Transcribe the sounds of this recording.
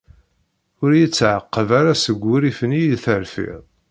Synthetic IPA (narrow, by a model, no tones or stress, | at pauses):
ʊɾjit͡sːʕəqːəvaɾasəɡʷːiɾifənijlθəɾfḭðˤ